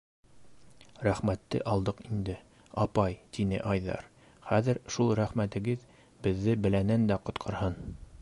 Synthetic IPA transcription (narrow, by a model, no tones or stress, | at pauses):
ɾæχmæt̪ːɘ̰ʔɑlˠd̪ɤqind̪ɘ | ɑpɑjt̪inɘ̰ʔɑjðɑ̰ɾ | χæðɘ̆ɾʃulˠɾæχmæt̪ɘ̆ɡɘð | bɘ̆ðːɘbɘ̆lænænd̪æqŏt̪qʰɤ̆ɾhɤn